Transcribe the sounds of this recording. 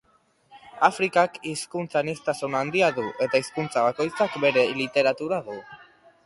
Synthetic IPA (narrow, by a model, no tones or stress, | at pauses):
afɾikakiskunt͡sanist̪asunand̪iaðuʔe̞t̪aiskunt͡saβako̞jt͡sakbe̞ɾe̞lit̪e̞ɾat̪uɾaðu